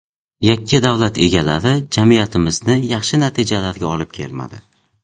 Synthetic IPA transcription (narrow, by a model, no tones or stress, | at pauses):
jakʲʰːɪd̪avlat̪ʰe̞ɡʲalaɾɪd͡ʒamijat̪ʰɪmɪznɪjɑχʃɪnat̪ʰid͡ʒalaɾɡʲaɒlɪp̚kʲʰe̞̰lma̰d̪ɪ